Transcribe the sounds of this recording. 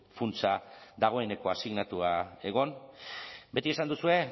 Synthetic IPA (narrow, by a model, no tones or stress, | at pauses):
funt͡saðaɣ̞o̞e̞ne̞ko̞asiɣnat̪uae̞ɣ̞o̞n | be̞t̪ie̞sand̪usue̞